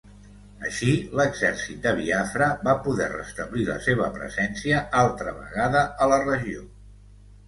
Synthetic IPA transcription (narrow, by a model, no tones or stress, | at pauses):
əʃiləɡzɛrsit̪̚d̪əβ̞iafɾəbapuðɛrə̰st̪əβlilə̰seβə̰pɾə̰zɛnsiəʔalˠt̪ɾəβə̰ɣaðəələrəʒio